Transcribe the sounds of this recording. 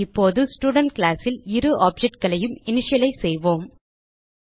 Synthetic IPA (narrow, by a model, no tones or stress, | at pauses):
ɪpːoːðɯsʈuːɽɐɳʈkɭaːsɪlɪɾɯʔaːp̚d͡ʒɛʈ̚kɐɭɐjɯmɪnɪʂɐjɐlɐɪsɛjʋoːm